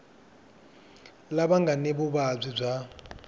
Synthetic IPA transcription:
labaŋɡanebʊbab͡ʐʷib͡ʐʷa

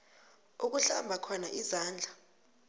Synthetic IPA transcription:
uk̬uɬa̰mbʱakʰɔnaʔizaːnd͡ɮʱa

